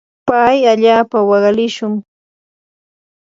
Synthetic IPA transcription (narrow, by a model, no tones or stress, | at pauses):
pajaʎaːpawɑɢɑlɪʃʊŋ